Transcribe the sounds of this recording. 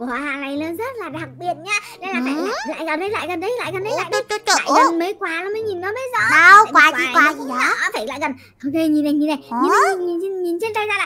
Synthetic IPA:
a˧˨aː˨˧˩la˧˩jlə˧˦nzə˦˥t̚laː˨˩ɗa˨˩k̚ɓi˨˩ət̚ɲaː˧naː˧˨˦laː˨˩a̰ː˧˨˧la̰ː˧˨jkə˨˩nɗə˨˦jla̰ː˧˨jkə˨˩nɗə˨˦jla̰ː˧˨jkə˨˩nɗə˨˦jlaː˧˨jaː˧˨kə˨˩nməː˨˦jkwaː˨˦laː˨˦mə˨˦ɲi˨˩nːɔ˨˦məː˨˦jzɔ̰˧˩aː˧˨kwaː˨˧˦wa˨˦˨kwaː˨˧˦t͡ɕi˨˧˦ɔ˨˦˨t̪ʰə˧˩jla̰ː˧˨jkə˨˩n | ʔo˧ke˧˩ɲi˨˩na˨˩ɲi˨˩na˨˩jɲi˨˩na˨˦˨ɲi˨˩n˧ɲi˨˩nt͡ɕe˧nt̪a˧jzaː˧laː˧˨

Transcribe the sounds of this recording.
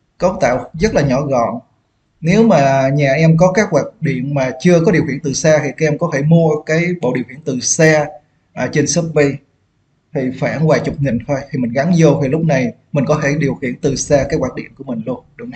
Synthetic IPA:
kə˦w̚t̪a̰ː˧˨wzə˦˥t̚laː˨˩ɲɔ˧˩ɣɔ̰˧˨n | ne˨˦wmaː˨˩ɲaː˨˩ʔɛ˧mk̬ɔ˨˦kaː˦˥k̚waː˨˩t̚ɗḭ˧˨ənmaː˨˩t͡ɕɨ˧əkɔ˨˦ɗi˨˩əwhḭ˧˩ənt̪ɨ˨˩saː˧t̪ʰi˨˩kʔɛ˧mkɔ˨˦t̪ʰe˧˩mu˧əkaː˨˦jɓo̰˧˨ɗi˨˩əwhḭ˧˩ənt̪ɨ˨˩saː˧ | ʔːt͡ɕe˧nsə˦˥p̚ɓi˧j | t̪ʰi˨˩faː˧˩nwaː˨˩jt͡ɕʊ˨˩k͡p̚ŋï˨˩ŋ̟t̪ʰɔ˧jt̪ʰi˨˩mï˨˩ŋ̟ɣa˨˦nzo˧t̪ʰi˨˩lʊ˦˥k͡p̚na˨˩j | mï̟˨˩kɔ˨˦t̪ʰe˧˩ɗi˨˩əwxḭ˧˨ənt̪ɨ˨˩saː˧kaː˨˦jkwaː˧˩t̚ɗḭ˧˨ənku˧˩əmï˨˩ŋ̟lu˧ənɗɨ˧ŋ͡mn˨˩

